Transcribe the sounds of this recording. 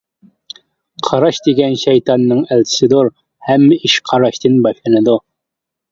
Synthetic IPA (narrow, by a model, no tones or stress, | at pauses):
qʰɑɾɑʃd̪iɡʲænʃæjt̪ɑnːɤɴælt̪sɪd̪oɾ | hæmːiʃqʰɑɾɑʃt̪ɘnbɑʃˠɑnɨd̪o